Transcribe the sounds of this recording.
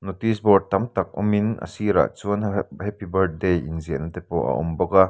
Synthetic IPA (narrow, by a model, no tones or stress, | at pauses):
not̪isbɔrd̚t̪ɐmt̪ɐk̚ʔɔ̰minə̰siɾa̰ʔt͡suənhɛpibɐrd̚dejinziəʔnːɐt̪ɛpoʔɐ̰ʔɔmbɔkaʔ